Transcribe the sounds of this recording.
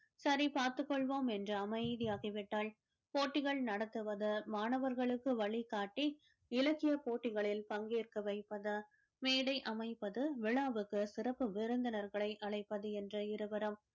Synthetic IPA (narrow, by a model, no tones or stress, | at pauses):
sɐɾipaːɾt̪ɯkːɔɭʋoːmɛndrɐɐmɐɪðɪjaːɣɐʋɪʈːaːɭ | poːʈːɪɣɐɭnɐɽɐt̪ːɯʋɐðɯmaːnɐʋɐɾɣɐɭɯkːɯʋɐɭikaːʈːi | ɪlɐkːɪjɐpoːʈːɪɣɐɭɪlpɐŋɡeːrkɯʋɐɪpːɐðɐ | meːɽɐɪʔɐmɐɪpːɐðɯʋɪɭaːʋɯkːɯsɪrɐpːɯʋɪɾɯnd̪ɐnɐɾɣɐɭɐɪʔɐɭɐɪpːɐðɯɛndrɐɪɾɯʋɐɾɐm